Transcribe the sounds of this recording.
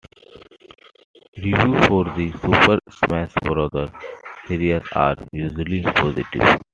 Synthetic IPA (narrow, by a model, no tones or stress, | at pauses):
ɾiʋjuːfɔːɾd̪isuːpəɾsmɛsbɾɔːd̪əɾheɾiəɾa̰ːɾjuːʒəlipɔːzɪ̰ʈɪ̰ʋ